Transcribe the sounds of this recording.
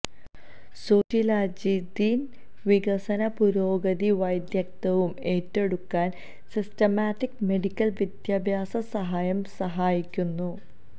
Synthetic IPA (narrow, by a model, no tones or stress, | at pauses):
soːtilaːd͡ʑid̪iːn | ʋiɡɐsɐnɐpuɾo̞ːɡɐðiʋɐjd̪jɐk̚t̪ɐʋume̞ːtːe̞ɽukːaːn | sistɐmaːʈːikme̞ɖikʲːɐlʋid̪jaːbʱjaːsɐsɐɦaːjɐmsɐɦaːjikʲːunːu